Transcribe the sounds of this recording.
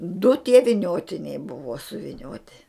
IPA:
dʊ tʲiɛ ʋʲɪˈnʲoːtʲɪnʲɛɪ ˈbʊʋoː sʊʋʲɪˈnʲoːtʲɪ

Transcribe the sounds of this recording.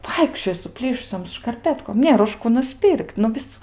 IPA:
ˈʋɐɪkʃʲt͡ʃʲoːjoː sʊˈpʲlʲiːʃʊsʲoːm ʃkɐrʲˈpʲæːtkoːm ˈnʲeːr ʊʃ ˈkuː nʊˈsʲpʲɪrʲkʲtʲ nʊ ˈʋʲɪs

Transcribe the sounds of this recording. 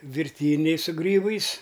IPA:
ʋʲɪrʲˈtʲiːnʲɛɪ sʊ ˈɡrʲiːbɐɪs

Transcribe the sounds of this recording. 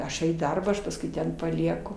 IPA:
ˈɐʃ jɛʊ iː ˈdɐrbɑː ˈɐʃ pɐsˈkʊɪ ˈtʲɛn pɐˈlʲiɛkʊ

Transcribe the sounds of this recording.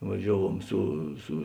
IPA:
ʋɐˈʒʲæːʋuɔm ˈsʊ sʊ

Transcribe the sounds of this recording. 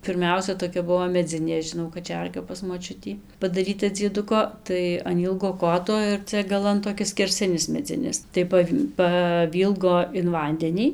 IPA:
pʲɪrʲˈmʲɛʊsʲɛ toːˈkʲɛ ˈbʊʋoː mʲɛˈd͡zʲɪnʲeː ʒʲɪˈnɐʊ kɐˈt͡ʃʲɛrɡɐ pɐs moːˈt͡ʃʲʊtʲiː pɐdɐˈrʲiːtɐ d͡zʲiɛˈdʊkoː ˈtɐɪ ɐn ˈiːlˠɡoː ˈkoːtoː ɪr ˈt͡sʲɛ ɡɐˈlˠɐn toː kʲɪs sʲkʲɛrʲˈsʲɪnʲɪs mʲɛˈd͡zʲɪnʲɪs tɐɪ ˈpɐw pɐˈʋʲiːlˠɡoː ɪn ˈʋɐnʲdʲɛnʲiː

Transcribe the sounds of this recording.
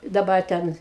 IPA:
dɐˈbɐr ˈtʲɛn

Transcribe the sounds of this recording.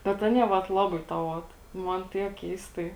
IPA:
bʲɛt ˈɑːnʲiɛ ʋɐt ˈlˠɑːbɐɪ tɑː ˈoːt ˈmɐn ˈtʲiɛk ˈkʲɛɪstɐɪ

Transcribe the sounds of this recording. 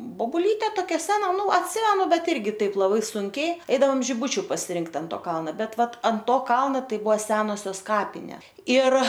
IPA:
boːbʊˈlʲiːtʲɛ toːˈkʲɛ ˈsʲæːnɐ ˈnʊ ɐtʲˈsʲɪmʲɛnʊ ˈbʲɛt ˈɪrʲɡʲɪ ˈtɐɪp lˠɐˈbɐɪ ˈsʊŋʲkʲɛɪ ˈɛɪdɐoːm ʒʲɪˈbʊt͡ʃʲʊ pɐsʲɪˈrʲɪŋkt ɐn ˈtoː ˈkɐlˠnɐ ˈbʲɛt ˈʋɐt ɐnt ˈtoː ˈkɐlˠnɐ ˈtɐɪ ˈbʊɐ ˈsʲæːnoːsʲoːs ˈkɑːpʲɪnʲeː ɪr

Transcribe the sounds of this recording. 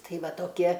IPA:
ˈtɐɪ ˈʋɐ toːˈkʲiɛ

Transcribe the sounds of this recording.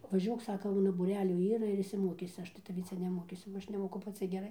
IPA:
ʋɐˈʒʲuɔk ˈsɑːkɐ ˈʊnɐ buːˈrʲæːlʲuː ˈiːrɐ ɪr ɪʃʲsʲɪˈmoːkʲiːsʲɪ ˈɐʃ tɐɪ tɐˈʋʲiː ˈt͡sʲɛ nʲɛˈmoːkʲiːsʲʊ bɐ ˈɐʃ nʲɛˈmoːkʊ pɐˈt͡sʲɪ ɡʲɛˈrɐɪ

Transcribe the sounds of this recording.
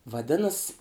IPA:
ʋɐˈdʲɪnɐs

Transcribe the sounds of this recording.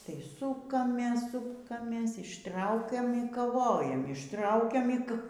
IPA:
tɐɪ ˈsʊkɐmʲeːs ˈsʊkɐmʲeːs ɪʃˈtrɐʊkʲɛm iː kɐˈʋoːjɛm ɪʃˈtrɐʊkʲɛm iː k

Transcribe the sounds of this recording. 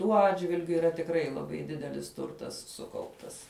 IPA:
tuɔ ˈɑːdʲʒʲʋʲɪlʲɡʲʊ iːˈrɐ tʲɪkˈrɐɪ lˠɐˈbɐɪ ˈdʲɪdʲɛlʲɪs ˈtʊrtɐs ˈsʊkɐʊptɐs

